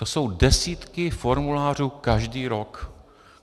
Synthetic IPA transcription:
oso̞wdɛsiːt̪kɪfo̞ɾmulaːr̝uːkaʒdiːɾo̞k

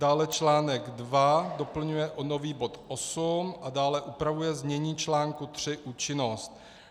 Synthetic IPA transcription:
daːlɛt͡ʃlaːnɛɡdvado̞pl̩ɲujɛʔono̞viːbo̞t̪ʔosumʔadaːlɛʔupɾavujɛzmɲɛɲiːt͡ʃlaːŋkut̪r̥ɪʔuːt͡ʃɪno̞st̪

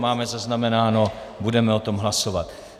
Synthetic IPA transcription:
maːmɛzaznamɛnaːno̞budɛmɛo̞t̪o̞mɦlaso̞vat̪

